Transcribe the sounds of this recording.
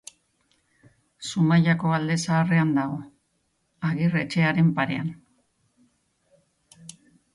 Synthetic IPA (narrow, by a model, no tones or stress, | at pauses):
sumaʎako̞ald̪e̞saːre̞and̪aɣo̞ | aɣire̞t͡ʃe̞aɾe̞mpaɾe̞an